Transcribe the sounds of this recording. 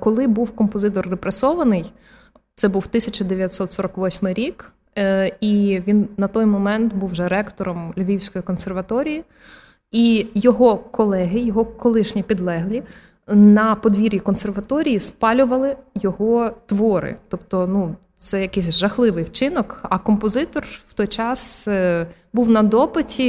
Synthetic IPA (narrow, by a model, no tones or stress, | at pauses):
kɔlˠɪbuwkɔmpɔzɪt̪̬ɔrːepɾesɔʋɐnɪj | t̪sɛbuwt̪ɪsʲɐt͡ʃɐd̪eʋʲjɐt̪sɔt̪sɔɾɔkʋɔsʲmɪjɾʲik | iʋʲinnɐt̪ɔjmɔmɛnt̪buwʒɛɾɛkt̪ɔɾɔmlʲʊʋʲiwsʲkɔjikɔnserʋɐt̪ɔɾʲiji | ijɔɦɔkɔlˠɛɦɪjɔɦɔkɔlˠɪʃnʲipʲid̪lˠɛɦlʲi | nɐpɔd̪ʋʲiɾʲikɔnserʋɐt̪ɔɾʲijispɑlʲʊʋɐlˠɪjɔɦɔt̪ʋɔɾɪ̰t̪ɔpt̪ɔnu | t̪sɛjɐkɪsʲʒɐxlˠɪʋɪjwt͡ʃɪnɔkɐkɔmpɔzɪt̪ɔrwt̪ɔjt͡ʃɑs | buwnɐd̪ɔpɪtʲi